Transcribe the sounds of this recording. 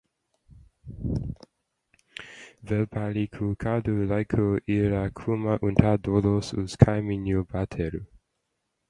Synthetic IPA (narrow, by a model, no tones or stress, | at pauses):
vɛlpʰalikʰukʰadulaɪkʰoʔiɾakʰumaʔuntʰad̪olosuskʰaɪminjubat̪ʰɛɾu